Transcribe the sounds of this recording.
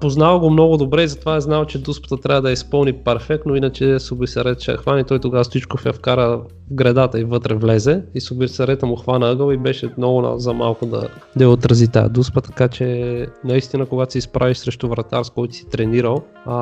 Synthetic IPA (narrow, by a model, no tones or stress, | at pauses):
poznavɐɡomnɔɡʊd̪obɾɛizɐt̪ovaɛznalt͡ʃɛd̪uspə̥t̪ət̪ɾʲabəd̪ɐjəispɤlˠnipɛɾfɛk̚t̪nʊinət͡ʃɛsʊbisɐɾɛt̪ʃɛɐ̰xvanit̪ɔjt̪oɡavəfsit͡ʃkʊfəfkaɾə | vɡɾɛd̪at̪əivɤt̪ɾɛvlɛzɛisʊbisɐɾɛt̪əmʊxvanəɤɡəlibɛʃɛmnɔɡʊna̰zɐmalˠkʊd̪ɐ̰ | d̪ɐjɛot̪ɾɐzit̪a̰ɛ̰d̪uspət̪ɐ̥kat͡ʃɛnɐist̪inəkoɡat̪osɛispɾaviʃsɾɛʃt̪ʊvɾɐt̪aɾskɔjt̪si̥t̪ɾɛniɾəlˠ